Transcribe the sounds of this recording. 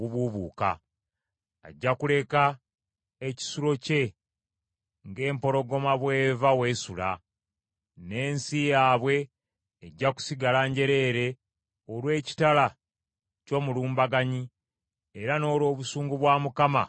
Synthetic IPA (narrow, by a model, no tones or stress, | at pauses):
βuβuβuːka̰ | ɟːakule̞ka | eci̥suɾo̞ce̞ | ŋɡe̞ːmpo̞ɾo̞ɡo̞maβwe̞ːvawe̞ːsula̰ | ne̞ːnsijaːβwe̞ː | ɟːaku̥siɡalaɲɟe̞ɾe̞ːɾe̞ | olwe̞ːci̥tala | co̞ːmuluːmbaɡaɲi | eɾano̞ːlwo̞ːβusuːŋɡuβwaːmukama̰